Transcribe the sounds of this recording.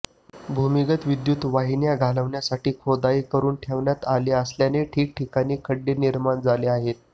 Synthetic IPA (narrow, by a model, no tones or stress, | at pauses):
bʱumiɡət̪ʋid̪jut̪ʋaɦinjaɡʱaləʋɳjasaʈiːkʰod̪aiːkəɾuːnʈʰeʋɳjat̪aliːəsljaneʈʰiːk̚ʈʰikaniːkʰəɖːeniɾmand͡zaleaɦet̪̚